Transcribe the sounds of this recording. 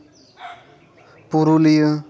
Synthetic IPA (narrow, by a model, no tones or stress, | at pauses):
puɾulijə